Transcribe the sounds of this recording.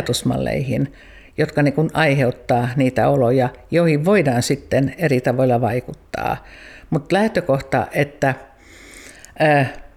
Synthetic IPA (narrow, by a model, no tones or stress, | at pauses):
t̪usmɑ̰lːḛihin | jot̪kɑniːŋkunɑiheut̪ːɑːniːt̪æ̰olojɑjoihiʋʋoidɑːnsit̪ːenerit̪ɑʋoilːɑʋɑikut̪ːɑ̰ːmut̪læht̪økoht̪ɑ̰ʔet̪ːæ | əː